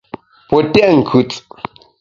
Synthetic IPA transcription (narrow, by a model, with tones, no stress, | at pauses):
pɔ˨tɛ˦ʔŋ̩˨kʰʉ˨t͡s